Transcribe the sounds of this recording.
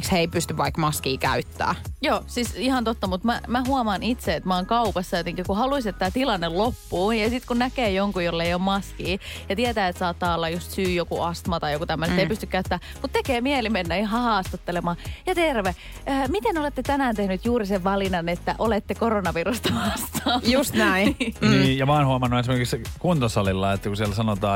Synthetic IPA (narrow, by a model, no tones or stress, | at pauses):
ksheipyst̪yʋʋɑikmɑskiːkæyt̪ːæ̰ːjoːsisihɑnt̪ot̪ːɑmut̪mæmæhuɑmɑːnit̪seet̪mæoːŋkɑupɑsːɑjot̪eŋkikuhɑluiset̪t̪ːæːt̪ilɑnːellopːuːjɑsit̪kunnækeːjoŋkujolːeijommɑskiːjɑt̪iet̪æːet̪sɑːt̪ːɑːolːɑjust̪syːjokuʔɑst̪mɑt̪ɑjokut̪æmːøset̪eipyst̪ykkæyt̪ːæː | mut̪t̪ekeːmielimenːæniɦɑhɑːst̪ɑt̪ːelemɑːjɑt̪erʋe | əːmit̪enolet̪ːet̪ænæːnt̪ehnyt̪juːɾiseʋʋɑlinɑnet̪ːæʔolet̪ːekoronɑʋirust̪ɑɑst̪ɑːnjust̪æiniːjɑmɑɑːnhuɑmɑnːuesimerkikskunt̪ɑsɑlilːɑet̪ːækusiɛlsɑnot̪ɑː